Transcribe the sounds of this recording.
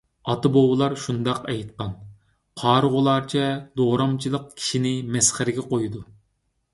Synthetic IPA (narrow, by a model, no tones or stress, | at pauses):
ɑt̪ɨbowɨlˠɑɾʃund̪ɑqɛjt̪̚qɑn | qʰɑːɾʁʊlˠɑɾt͡ʃʰɛd̪oːɾɑmt͡ʃʰilˠəq̚kʲʰi̥ʃinɪmɛsχæɾɪɡʲɛqojd̪u